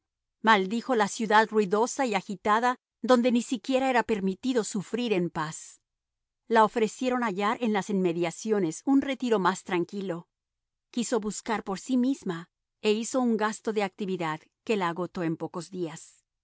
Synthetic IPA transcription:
mald̪ixo̞lasjuðaðruiðo̞saiaxit̪aða | ðo̞nd̪e̞nisikje̞ɾae̞ɾape̞ɾmit̪iðo̞sufɾiɾe̞mpas | lao̞fɾe̞sje̞ɾo̞naʝaɾʔe̞nlasinme̞ðjasjo̞ne̞sunre̞t̪iɾo̞mast̪ɾaŋkilo̞ | kiso̞βuskaɾpo̞ɾsimizma | eiso̞uŋɡast̪o̞ðe̞ak̚t̪iβiðað | ke̞laːɣo̞t̪o̞e̞mpo̞ko̞zðias

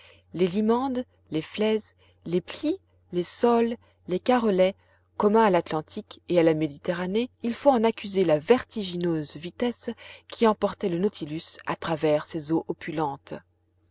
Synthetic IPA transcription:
lelimɑ̃d̪ | leflɛz | lepli | lesɔlː | ekaʁɔlɛ | kɔmɛ̃alat̪lɑ̃t̪ʰikealamed̪it̪eʁaneilfoɑ̃nakʲyzelavɛʁt̪iʒinøzvit̪ɛskʲʰiɑ̃pɔʁt̪ɛlənɔt̪ʰilysa̰t̪χavɛʁsezoʔɔpʰylɑ̃t̪

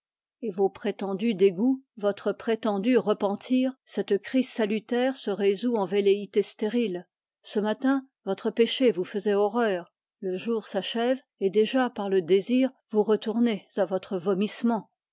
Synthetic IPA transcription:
evopχet̪ɑ̃d̪yd̪eɡuvɔt̪χəpχet̪ɑ̃d̪yʁəpɑ̃t̪ʰiːʁsɛt̪kχizsalyt̪ɛʁsəʁezuɑ̃veleit̪est̪eʁil | səmat̪ɛ̃ | vɔt̪χəpeʃevufəzɛɔʁœːʁ | ləʒuːʁsaʃɛv | ed̪eʒapaʁləd̪eziːʁ | vuʁət̪uʁnezavɔt̪χəvɔmismɑ̃

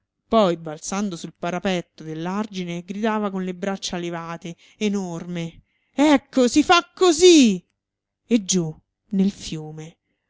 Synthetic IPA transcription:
pɔjbalt̪sand̪osulpaɾapɛt̪ːod̪elːard͡ʒineɡɾid̪aːvakonlebɾat͡ʃːalevaːt̪e | enorme | ɛkːosifakːozi | ed͡ʒːu | nelfjuːme

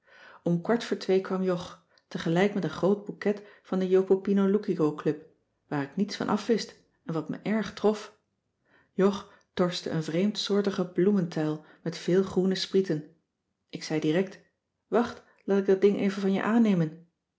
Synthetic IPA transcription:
ɔmkʋɑɹtfʊːɹtʋejkʋɑmjɔχ | təχəlɛjkmɛtənχrowd̚bukɛtfɑndəjowpopinolukiɡowklɵp̚ | ʋaːɾɪknitsfɑ̰nʔɑfʋɪst | ɛnʋɑtmə̰ʔɛɹχtrɔf | jɔχ | tɔɹstə̰ə̰nvrejmtsʊːɹtəχəbluməntɛjlˠ | mɛtfɪːlˠχrunəspritən | ɪksɛjdirɛk̚t | ʋɑχt | laːtɪɡ̚dɑd̚dɪŋʔejvənvɑnjə̰ʔaːnejmən

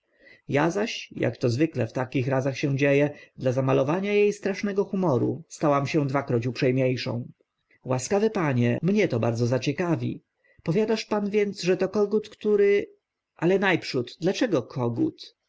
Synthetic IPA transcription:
jazaɕja̰kt̪ɔzvɘklɛft̪akʲixɾazaxɕɛ̃d͡ʑejɛd̪lazamalɔvaɲajejst̪ɾaʂnɛɡɔxumɔɾṵst̪awamɕɛd̪vakɾɔt͡ɕupʂɛjmʲɲejʂɔ̰̃w̃ | waskavɘpaɲɛ̰mɲɛt̪ɔbaɾd̪zɔzat͡ɕɛkavʲḭ | pɔvʲjad̪aʂpanvʲjɛnd̪zʐɛt̪ɔkɔɡut̪kt̪uɾɘ | ʔalɛnajpʂud̪d̪lat͡ʂɛɡɔkʰɔɡṵt̪

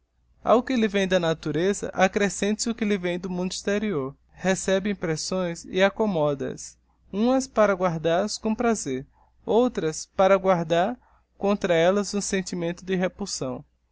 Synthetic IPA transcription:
a̰wkɪlɪvẽj̃d̪ɐnat̪uɾezɐ̰ʔakɾesẽnt̪sɪʊkɪlɪvẽj̃d̪ʊmũnd̪uist̪eɾioɾ | hesɛbɪ̃ĩpɾɛsõj̃sɪ̰akomɔd̪ɐ̰s | ũmɐspaɾɐɡwaɾd̪aɐskõpɾazeɾ | owt̪ɾɐspaɾɐɡwaɾd̪aɾ | kõnt̪ɾɐɛlɐzũsẽnt̪imẽnt̪ʊd̪ɪɦepulsɐ̃w̃

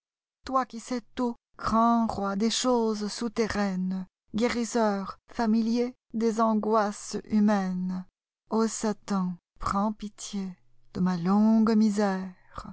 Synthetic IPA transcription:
t̪wakʲisɛt̪o | ɡ̥ʁɑ̃ʁwad̪eʃozsut̪eʁɛn | ɡeʁisœʁfamilje | d̪ezɑ̃ɡwasymɛn | osat̪ɑ̃ | pχɑ̃pit̪je | d̪̥əmalɔ̃ɡmizɛ | ʁ

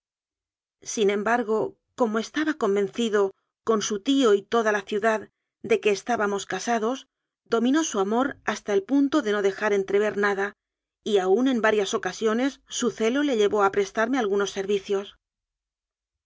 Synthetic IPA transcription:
sinẽ̞mbaɾɣ̞o̞ | ko̞moe̞st̪aβako̞mbẽ̞nθiðo̞ | ko̞nsut̪io̞it̪o̞ðalaθjuðað | d̪e̞ke̞ːst̪aβamo̞skasaðo̞z | d̪o̞mĩno̞suamo̞ɾast̪aelpunt̪o̞ðe̞no̞ðe̞xaɾe̞nt̪ɾe̞β̞e̞ɾnaða | iaunẽ̞mbaɾjaso̞kasjo̞ne̞sːuθe̞lo̞le̞ʎe̞βo̞apɾe̞st̪aɾme̞alɣuno̞sːe̞ɾβiθjo̞s

